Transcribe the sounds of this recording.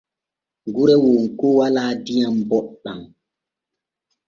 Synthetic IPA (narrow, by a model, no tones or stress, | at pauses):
ŋɡuɾɛwoŋkɔwalaːdijambɔɗɗaŋ